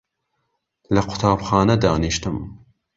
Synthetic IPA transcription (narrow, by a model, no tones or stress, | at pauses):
lɐqʰʊ̥t̪ʰaːbxɑːnɐd̪ɑːniʃt̪ɨm